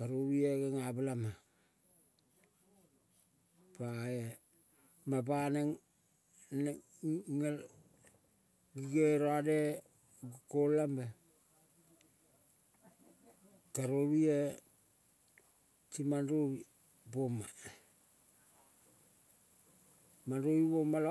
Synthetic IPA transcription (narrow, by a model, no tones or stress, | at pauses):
kaɾoβieɡeŋablama | pae | mapaneŋ | ŋe | ɡiɡeɾoade | ɡkolambe | kaɾoɾie | timanɾoi | boma | mandoibomal